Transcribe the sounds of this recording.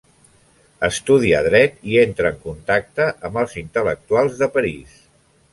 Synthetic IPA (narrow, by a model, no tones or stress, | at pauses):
əst̪uðiəðɾɛt̪ient̪ɾəːŋkunt̪ak̚t̪əʔəmbəlˠzint̪ələk̚t̪ualˠzðəpəɾis